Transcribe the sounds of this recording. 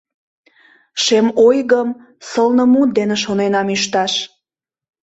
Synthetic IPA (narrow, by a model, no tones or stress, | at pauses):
ʃemojɣəm | səlnəmut̪̚d̪eneʃonenɑmyʃt̪ɑʃ